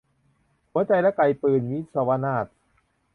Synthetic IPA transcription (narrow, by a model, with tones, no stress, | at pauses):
hu˨˩˦ɐt͡ɕa˧jlɛ˦˥ka˧jpɯː˨˩nwi˦˥t̪̚sa˧wa˧˥naː˥˩t̪̚